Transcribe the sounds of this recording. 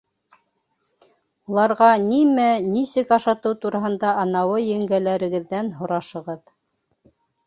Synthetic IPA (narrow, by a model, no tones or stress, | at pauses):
ulˠɑɾʁɑnimænisɘkɑʃɑt̪ɤwt̪uɾɑɦɤ̆nd̪ɑɑnɑwɤjɘ̆ŋɡælæɾɘ̆ɡɘ̆ðːænɦŏɾɑʃɤ̆ʁɤð